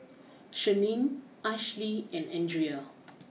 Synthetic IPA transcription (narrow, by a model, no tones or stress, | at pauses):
ʃənĩm | aʃliɛ̃nɛ̃ndɹia